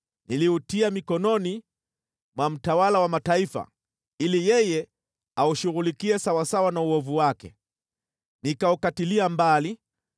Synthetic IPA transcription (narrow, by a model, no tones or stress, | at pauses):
niliutiamikɔnɔni | mwam̩tawalawamataifa̰ | ilijɛjɛ | auʃuɣulikiɛsawasawanauɔvuwakɛ̰ | nikaukatiliambali